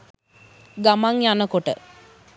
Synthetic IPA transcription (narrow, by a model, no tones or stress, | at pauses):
ɡamaŋjanəkoʈə̰